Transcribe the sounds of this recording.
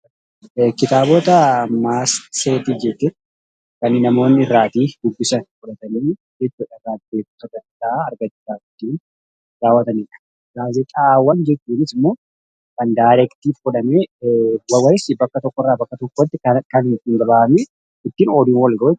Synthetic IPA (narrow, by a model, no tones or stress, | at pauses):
kɪt̪aːboːt̪ɐmaːst̪seːt̪iːd͡ʒɛt̪ːɪ | kɐnːɪnɐmo̞ːnːɪɪrːaːt̪iːd̪ʊɡːɪsɐnfʊᶑɐt̪ɐniː | d͡ʒɛt͡ʃːuːᶑɐɪrːaːb̪eːkt̪ɔrɐt̪aːɐɾɡɐt͡ʃːɪsaːd͡ʒɪt̪ːiːn | d̪aːwɐt̪ɐniːᶑɐ̥ | ɡaːzɪt̪ʼaːwːɐnd͡ʒɛt͡ʃːuːnɪsɪmːo̞ː | kɐnd̪aːɾɛkt̪iːfkʊᶑɐmeːwɐwɐɾɪsbɐkːɐt̪ɔkːɔrːaːbɐkːɐt̪ɔkːɔt̪ːɪkɐkɐnht̪ːɪŋɡɐbaːɐmeː | ɪt̪ːiːnoːd̪iːnwɐlɡɐː